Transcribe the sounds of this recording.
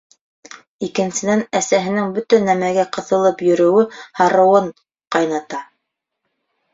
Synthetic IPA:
ikɘ̆nsɘ̆nænæsæɦɘ̆nɘŋbɵt̪ænæmæɡæqɤ̆θɤ̆lˠɤpjɵ̆ɾɵ̆wɘhɑɾɤ̆wɤɴ | qɑjnɑt̪ɑ

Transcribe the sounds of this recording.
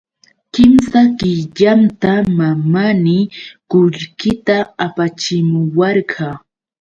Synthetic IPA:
kɪmsakɪʎant̪amamanɪkʊʎkɪt̪aapat͡ʃɪmʊwɑɾɢɑ

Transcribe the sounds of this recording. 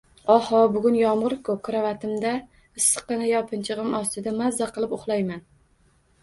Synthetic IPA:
ɒhɒbʊɡʊnjɒmʁɨɾkʰʊkʰʊɾavat̪ʰɪmd̪a | ɪsːɨ̥qːɨnajɒpʰɪnt͡ʃʰɨʁɨmɒst̪ɪd̪amazːaqɨlˠɪpoχlˠajman

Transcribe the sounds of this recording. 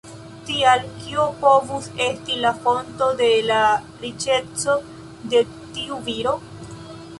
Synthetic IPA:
tialkiopo̞vuse̞stilafo̞nto̞de̞la | ɾit͡ʃe̞t͡so | de̞ | tiuviɾo̞

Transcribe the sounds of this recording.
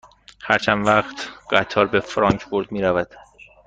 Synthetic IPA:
hæɾt͡ʃʰænvæɢt̪ɢ̥æt̪ʰɒːɾbe̞fɾɒŋkʰboɾd̪miːɾævæd̪̥

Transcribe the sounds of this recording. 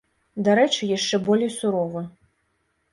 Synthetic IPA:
d̪aɾɛt͡ʂɨjaʂt͡ʂɛbɔlʲejsuɾɔvɨ

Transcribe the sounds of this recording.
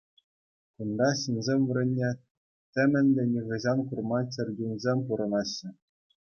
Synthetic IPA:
kund̪ɑɕɯnzʲemʲʋɘ̆ɾʲĕnʲːe | t̪ʲɘ̆mʲɘ̆nʲd̪ʲɘ̆nʲiʁɤ̆ʑɑnkurmɑt͡ɕʲɘ̆rʲɡʲinʲzʲemʲpuɾɤ̆nɑɕːɘ̆

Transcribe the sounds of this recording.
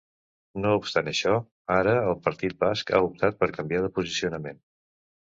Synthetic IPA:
noupst̪anəʃɔ | aɾəːlˠpəɾt̪it̪̚baska̰up̚t̪at̪̚pəɾkəmbiaðəpuzisiunəmen

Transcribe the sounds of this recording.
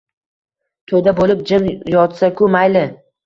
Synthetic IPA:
t̪ʰod̪abolɪp̚d͡ʒɪnjɒt̪sakʰʊmajlɪ

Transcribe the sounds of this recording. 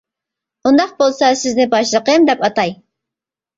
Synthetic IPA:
und̪ɑq̚bolˠsɑsɪznɪbɑʃlˠəqəmd̪ɛpɑt̪ɑj

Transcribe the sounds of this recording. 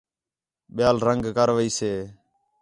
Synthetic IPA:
ɓɪjaːlɾəŋɡkəɾʋəiːseː

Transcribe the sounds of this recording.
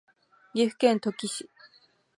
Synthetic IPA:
ɡʲiɸɯ̟̥kẽnt̪okʲiɕi

